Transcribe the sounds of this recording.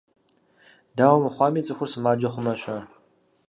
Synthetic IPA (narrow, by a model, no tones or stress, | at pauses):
daːwɐmɐχʷɑːmiːt͡sʼɨxʷʊrsɨmaːd͡ʒɐχʷʊmɐɕɐ